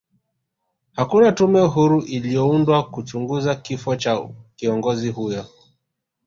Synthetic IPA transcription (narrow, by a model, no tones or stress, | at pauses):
hakunatumɛuɦuɾuʔilijɔundwakut͡ʃuŋɡuzakifɔt͡ʃakiɔŋɡɔzihujɔ